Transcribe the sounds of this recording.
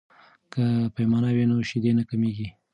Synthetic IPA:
kəpajmɑnawinoʃid̪enakameɡi

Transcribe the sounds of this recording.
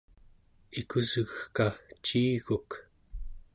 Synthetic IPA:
ikuzɣkat͡ʃiːɣuk

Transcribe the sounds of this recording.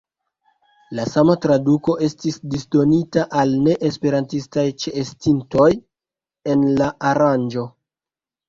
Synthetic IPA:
lasamatɾaduko̞ʔe̞stisdisdo̞nitaʔalne̞ʔespe̞ɾantistajt͡ʃeːstinto̞j | e̞nlaaɾand͡ʒo̞

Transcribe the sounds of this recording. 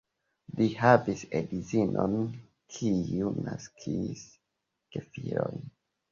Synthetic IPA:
lihavisedizinʔo̰n | kʰiuna̰skʰis | kefiɾo̞jn

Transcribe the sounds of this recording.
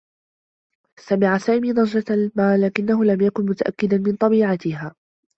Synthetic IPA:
samɪʕasaːʔmiːd̪ˤɑʒaalmaːlːaːkɪnːaɦʊlamjakʊnmʊt̪aʔa̰kːɪd̪anmɪnt̪ˤɑbiːʕat̪ɪɦaː

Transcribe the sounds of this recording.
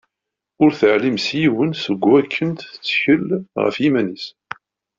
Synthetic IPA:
ʊɾθəʕlimsjiwənsəɡʷːækʰːənt̪ə̥t͡sːçəlʁə̰fjimænis

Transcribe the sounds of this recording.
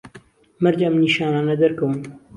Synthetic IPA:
mɐɾd͡ʒamniːʃaːnaːnɐd̪ɐɾkɐwn

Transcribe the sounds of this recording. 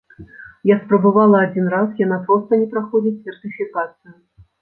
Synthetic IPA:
jaspɾɐbavalˠɐːd͡zʲinɾasjanapɾɔst̪ɐnʲɛpɾaxɔd͡zʲit͡sʲsʲɛrt̪ɨfʲikat̪sɨju

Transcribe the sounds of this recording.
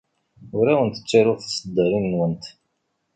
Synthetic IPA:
ʊɾawənt̪ə̥t͡sːaɾʊθḁsəd̪ːəɾinːwənt̪

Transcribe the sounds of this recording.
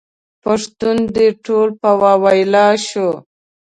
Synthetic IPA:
paʂt̪und̪eʈolpawɑwɑjlɑʃo

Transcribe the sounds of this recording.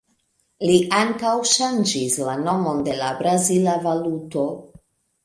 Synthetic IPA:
liʔaŋkawʃand͡ʒislano̞mo̞nde̞labɾazilavaluto̞

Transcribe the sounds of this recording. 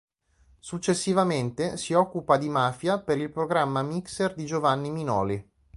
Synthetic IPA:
sut͡ʃːesːivament̪esiɔkːupad̪imaːfjapeɾilpɾoɡɾamːamikserd̪id͡ʒovanːiminɔ̰ːli

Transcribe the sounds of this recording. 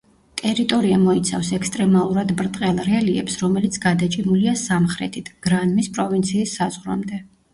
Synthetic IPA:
t̪ʼɛɾit̪ʼɔɾiamɔit̪sʰa̰fsɛkst̪ʼɾɛmalˠuɾad̪bɾt̪ʼqʼɛlˠɾɛliɛ̰psɾɔmɛlit̪sʰɡad̪at͡ʃʼimuliasamχɾɛ̰t̪ʰit̪ʰɡ̥ɾanmispʼɾɔvint̪sʰiːsːazʁɾa̰md̪ɛ

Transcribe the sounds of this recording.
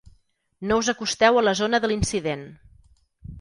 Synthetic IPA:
nouzəkust̪ɛwələzonəðəlinsiðen

